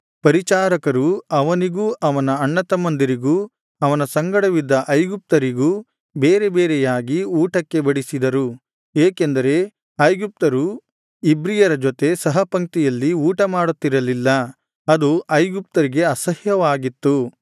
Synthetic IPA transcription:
pɐɾit͡ʃaːɾɐkɐɾuɐʋɐniɡuʔɐʋɐnɐːɳːɐt̪ɐmɐnd̪iɾiɡu | ɐʋɐnɐsɐŋɡɐɽɐʋid̪ːɐʔɐjɡup̚t̪ɐɾiɡu | beːɾe̞beːɾɛjaːɡiuːʈɐkːe̞bɐɽisid̪ɐɾu | eːke̞nd̪ɐɾe̞ | ɐjɡup̚t̪ɐɾu | ibɾijɐɾɐd͡ʒɔt̪e̞sɐɦɐpɐŋk̚t̪ijɐlːiuːʈɐmaːɽut̪ːiɾɐlilːɐ | ɐd̪uʔɐjɡup̚t̪ɐɾiɡe̞ɐsɐhjɐʋaːɡit̪ːu

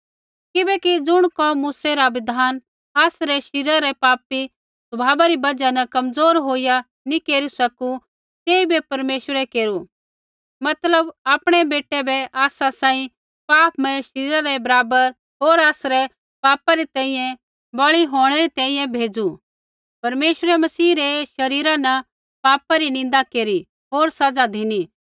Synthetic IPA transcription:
kɪbɛkid͡zʊɽ̃kɔmuːsɛɾaʋɪd̪ʱaːn | aːsɾɛʃɪɾaɾɛpaːpi | sʊbʱaːbaɾibɐd͡ʒanɛkɐmd͡zoːɾɦoːija | nĩkeːɾusɐku | t̪eːibɛpɐɾmeːʃwəɾɛkeːɾu | mɐt̪ləbaːpɽ̃ɛbeːʈːɛbɛʔaːsasãːĩ | paːpmɛ̃ʃɐɾiːɾaɾɛbɐɾaːbəɾ | ɦoːɾaːsɾɛ | paːpaɾit̪ɛ̃ːĩjɛ̃ | bɐɭiɦoːɽ̃ɛɾit̪ɛ̃ːĩjɛ̃bʱeːd͡zu | pɐɾmeːʃəɾɛmɐsiːɾɛʃɐɾiːɾanɐ | paːpaɾinɪ̃n̆d̪akeːɾi | ɦoːɾsɐd͡zad̪ʱini

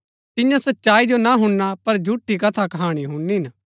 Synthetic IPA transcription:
t̪ɪjãsɐtːʃaːid͡ʒonaɦʊɳːapɐɾd͡ʒʱuʈːikɐt̪ʰakɐɦaːɽ̃iɦʊ̃nːiɦɪn

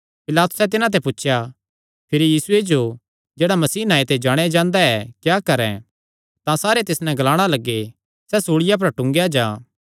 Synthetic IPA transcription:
pɪlaːt̪ʊ̥sɛt̪̬ɪnãt̪̬ɛpʊtːʃʰja | pʰɪɾijiːsʊed͡ʒo | d͡ʒeːɽamɐsiːnaːet̪ed͡ʒaːɽ̃ad͡ʒãːnd̪aɛkjaːkɐɾɛ̰̃ | t̪ãsaːɾet̪ɪsnɛ̃ɡɐlaːɽ̃alɐɡːe | sɛsuːɽɪjap̬ɐɾʈʊ̃ŋɡejad͡ʒaː

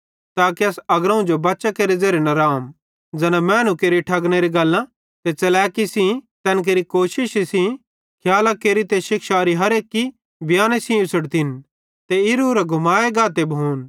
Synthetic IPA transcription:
t̪aːkiɐsɐɡɾɐ̃ũd͡ʒobɐːʃakeːɾed͡zeːɾenɐɾaːm | d͡ʒɛːnamɛːnukeːɾiʈʰɐɡñeɾiɡɐlːã | t̪et͡ʃɐlɛːkisĩt̪ɛːnk̬eːɾikoːʃɪʃisĩ | kʰjaːlɐkeːɾit̪eʃɪkʃaːɾiɦɐɾeːkːi | bʱjaːnesĩʊsəɽt̪ʰɪn | t̪eɪɾuɾɐɡʱʊmaːeɡaːt̪ebʱuːn

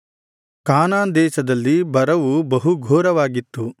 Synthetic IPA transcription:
kaːnaːnd̪ɛːʃɐd̪ɐlːibɐɾɐʋubɐɦuɡʱɔːɾɐʋaːɡit̪ːu

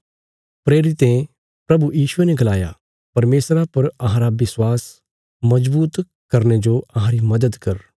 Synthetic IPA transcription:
pɾeːɾɪt̪ẽ | pɾɐbujiːʃʊenɛɡɐlaːja̰ | pɐɾmeːsɾapɐɾɐɦãɾaʋɪswaːs | mɐd͡ʒbuːt̪ | kɐɾned͡ʒoɐɦãɾimɐd̪əd̪kɐɾ

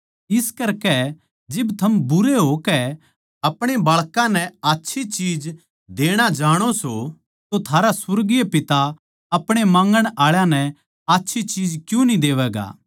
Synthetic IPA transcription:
ɪskɐɾkɛ | d͡ʒɪbt̪ʰɐmbʊɾeɦokɛ | ɐpɽ̃ebaːɭkãnɛaːtːʃʰit͡ʃiːd͡ʒ | d̪eːɽ̃ad͡ʒaːɽ̃oso | t̪ot̪ʰaːɾasʊɾɡijepɪt̪a | ɐpɽ̃emãːŋɡəɽ̃aːɭjãnɛ | aːtːʃʰit͡ʃiːd͡ʒkjũnĩd̪eːʋɛːɡa̰ː

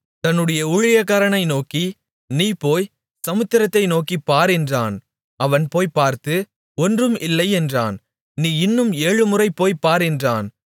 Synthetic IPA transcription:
t̪ɐnːɯɽɐjɐʊɻɪjɐkaːɾɐɳɐɪnoːki | niːpoːj | sɐmɯt̪ːɪɾɐt̪ːɐɪnoːkipːaːɾɛndraːn | ɐʋɐnpoːjpːaːɾt̪ɯ | ɔndrɯmɪlːɐɪɛndra̰ːn | niːɪnːɯmeːɻɯmɯrɐɪpːoːjpːaːɾɛndraːn

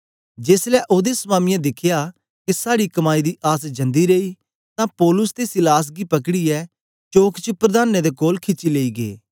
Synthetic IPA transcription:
d͡ʒeːslɛʔoːd̪esmaːmɪjãd̪ɪkʰja | kesaːɽikɐmaːid̪iːʔaːsd͡ʒɐ̃nd̪iɾeːiː | t̪ãːpɔːlʊst̪esɪlaːs̬ɡipɐk̬ɽiːɛː | t͡ʃoːkt͡ʃəpɾəd̪aːned̪ekoːlkʰɪt͡ʃileːiːɡḛː

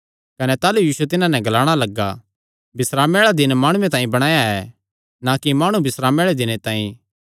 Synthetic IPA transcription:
kɐnɛt̪aːlujiːsuet̪ɪnãnɛ̃ɡɐlaːɽ̃alɐɡːa | bɪsɾaːmeːɭad̪ɪnmaːɽ̃ʊẽt̪̬ãːĩbɐɽ̃aːjaɛ | nakimaːɽ̃ũbʱɪsɾaːmeːɭed̪ɪñet̪ãːĩ

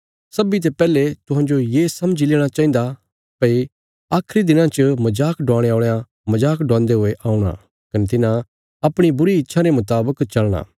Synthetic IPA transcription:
sɐbit̪̬epɛːlet̪ʊɦãd͡ʒojeːsɐməd͡ʒileːɽ̃at͡ʃãːĩnd̪a | pɐi | aːkʰɾid̪ɪnãt͡ʃəmɐd͡ʒaːkɖãːɽ̃eaːɭːã | mɐd͡ʒaːkɖãːnd̪eɦʊeʔaːũɽ̃a̰ | kɐnet̪ɪnã | ɐpɽ̃ibʊɾiɪtːʃʰaɾemʊt̪aːbəkt͡ʃɐlɽ̃ã̰ː

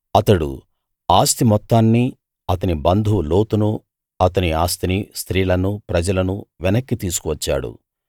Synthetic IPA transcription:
ɐt̪ɐɽṵ | aːst̪imɔt̪ːaːnːi | ɐt̪ɐnibɐnd̪ʱulo̞ːt̪unu | ɐt̪ɐniaːst̪inist̪ɾiːlɐnupɾɐd͡ʒɐlɐnuʋɛnɐkːit̪iːsu̥kuʋɐt͡ʃːa̰ːɽṵ

